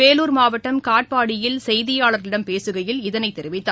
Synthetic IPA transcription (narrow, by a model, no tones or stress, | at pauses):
eːluːɾmaːʋɐʈːɐmkaːʈ̚paːɽɪjɪlsɛjðɪjaːɭɐɾɪɽɐmpeːsɯɣɐjɪlɪðɐnɐɪt̪ɛɾɪʋɪt̪ːaː